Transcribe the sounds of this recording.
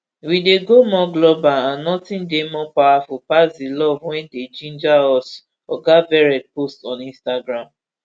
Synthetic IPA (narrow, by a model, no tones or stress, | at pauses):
wideɡomɔ̃ɡlɔbaãnnɔtĩndemɔ̃pawafupasdilɔvwɛ̃nded͡ʒĩnd͡ʒaɔs | ɔɡavɛɹɛd̚postɔ̃nĩnstaɡɹãm